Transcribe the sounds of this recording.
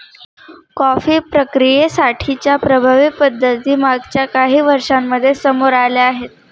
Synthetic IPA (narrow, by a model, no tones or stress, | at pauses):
kɔfiːpɾəkɾijesaʈʰit͡ɕjapɾəbʱaʋipəd̪ʱːət̪iːmaɡt͡ɕjakaɦiːʋəɾʂamːəd̪ʱːjesəmoɾaleaɦet̪̚